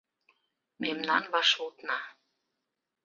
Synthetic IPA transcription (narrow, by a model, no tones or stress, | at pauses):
memnɑnβɑʃut̪nɑ